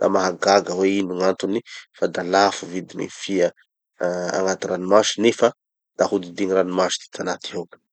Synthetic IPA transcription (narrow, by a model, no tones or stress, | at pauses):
d̪a̰maɦaɡaɡəweinuŋant̪unifad̪alafuvid̪imḭfiə | a̰ŋat̪iɾanimaʃi̥nefə | d̪̥ahud̪id̪iɲiranimaʃi̥d̪i̥t̪ʰanat̪iɦok